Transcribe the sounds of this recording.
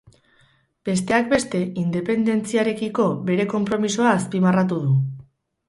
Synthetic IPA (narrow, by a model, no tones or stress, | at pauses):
b̥e̞st̪e̞ak̚be̞st̪e̞ind̪e̞pe̞nd̪e̞nt͡siaɾe̞kiko̞βe̞ɾe̞ko̞mpɾo̞miso̞aːspimarat̪uð̞u